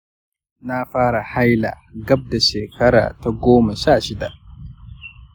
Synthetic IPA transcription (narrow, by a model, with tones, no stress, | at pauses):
na˦faː˦ɾa˨ha˦jla̰˨ | ɡɐ˦b̚da˨ʃɛː˨kɐ˦ɾa̰ː˨ta˨ɡoː˦ma˨ʃaː˦˨ʃɪ˦da˨